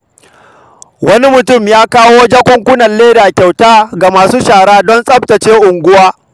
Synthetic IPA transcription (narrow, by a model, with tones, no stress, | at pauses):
wɐ˦ni˦mʊ˨tʊ˦˨mjaː˦kaː˦woː˦d͡ʒa˦kʷʊ˦ŋkʷʊ˦nɐ˨lleː˦da˨kʲa˨wtaː˦ɡa˨maː˨suː˦ʃaː˨ɽaː˦dɔ˦nsʼɐ˦p̚tɐ˨t͡ʃeː˦ʔʊ˨ŋɡʷʊ˦waː˦